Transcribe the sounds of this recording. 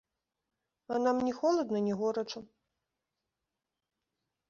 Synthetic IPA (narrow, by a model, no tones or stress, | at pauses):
anamnʲɛxɔlˠɐd̪nɐnʲɛɣɔɾɐt͡ʂɐ